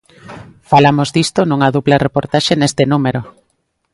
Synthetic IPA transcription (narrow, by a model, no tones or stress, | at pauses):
falamozd̪ist̪onuŋɐðuβlarepoɾt̪aʃenest̪enumeɾo